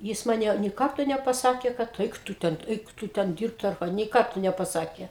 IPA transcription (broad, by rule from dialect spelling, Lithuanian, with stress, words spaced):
ˈjɪs ˈmɑːnʲɛ nʲeː ˈkɐrtoː nʲɛpɐˈsɑːkʲeː kɐt ˈɛɪk ˈtʊ ˈtʲɛn ˈɛɪk ˈtʊ ˈtʲɛn ˈdʲiːrpt ɐr ˈkɑː nʲɛɪ ˈkɐrtoː nʲɛpɐˈsɑːkʲeː